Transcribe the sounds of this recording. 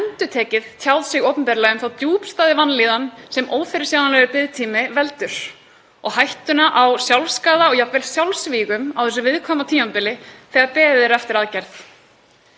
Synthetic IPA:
ɛnt̪ʏt̪ʰɛːcɪðt̪ʰjawðsɪɣoːwpʏmpɛːɾɪlɛɣʏmθawt̪juːpst̪aːðɪvanːliːðansɛmoːwfɪɾɪ̥sjawnanlɛɣɪɾpɪðt̪ʰiːmɪvɛlt̪ʏɾ̥ | ɔɣɦajht̪ʏnaʔawsjawlskaːðaɔɣjapvɛlsjawlsviːɣʏmawθɛs̬ʏvɪðkʰɔːmat̪ʰiːmapɪlɪθɛɣaɾpɛːðɛɾɛft̪ɪɾaðcɛɾθ

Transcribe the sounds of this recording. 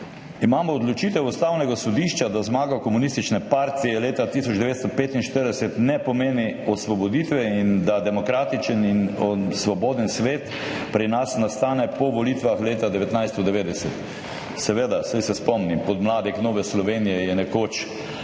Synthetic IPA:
imaːmɔːd̪lɔt͡ʃit̪ɛwust̪awnɛɡasɔd̪iʃt͡ʃad̪azmaːɡakɔmunist̪it͡ʃnɛpaɾt̪ijɛleːt̪at̪isɔd͡ʒd̪ɛʋeːt̪st̪ɔpeːt̪inʃt̪əɾd̪ɛsɛt̪nɛpɔmeːniɔsʋɔbɔd̪it̪ʋɛind̪ad̪ɛmɔkɾaːt̪it͡ʃəninsʋɔboːd̪ənsʋeːt̪ | pɾinasnast̪aːnɛpɔʋolit̪ʋaxleːt̪ad̪ɛʋɛt̪najst̪ɔd̪ɛʋeːd̪ɛsɛt̪ | sɛʋeːd̪asajsɛspɔmnimpɔd̪mlaːd̪ixnoːʋɛslɔʋeːnijɛjɛnɛkoːt͡ʃ

